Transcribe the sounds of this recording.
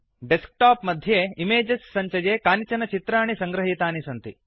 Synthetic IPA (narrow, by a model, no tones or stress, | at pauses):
ɖesk̚ʈaːpmɐd̪ʱjeːimeːd͡ʒɐsːɐɲt͡ʃɐjeːkaːnit͡ʃɐnɐt͡ʃit̪ɾaːɳisɐŋɡɾɐɦit̪aːnisɐnt̪i